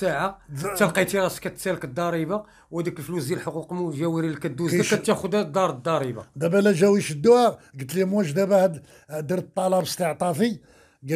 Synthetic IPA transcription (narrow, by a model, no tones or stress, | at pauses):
saʕat̪ælqɑjt̪iɾˤɑskæt̪sælkəd̪ˤːɑɾˤiba | whæd̪əkəlflusd̪ilħoquqmuʒæwiɾilkæd̪ːuzækæt̪ːæxʊd̪d̪ɑɾˤd̪ːɑɾˤiba̰d̪æbælæʒæwiʃəd̪ːʊæɾɡət̪limæʃd̪æbæhæd̪ | d̪əɾt̪ˤːɑlɑbəst̪əʕt̪ˤɑfi | ɡ